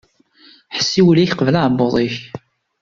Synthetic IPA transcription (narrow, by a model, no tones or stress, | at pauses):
ħə̥sːiwəliçqəvlaʕboðˤiç